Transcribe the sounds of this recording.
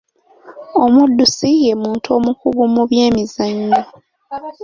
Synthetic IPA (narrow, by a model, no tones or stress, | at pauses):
o̞mudːusijemuːntʰuo̞ːmukuβumuβje̞ːmizaɲːo